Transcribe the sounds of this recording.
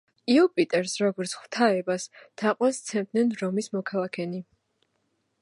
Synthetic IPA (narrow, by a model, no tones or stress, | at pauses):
iɔpʼit̪ʼɛɾsɾɔɡɔɾt̪sʰχw̥t̪ʰaɛbast̪ʰaqʼwast̪sʰɛmd̪nɛnɾɔmismɔkʰalˠakʰɛni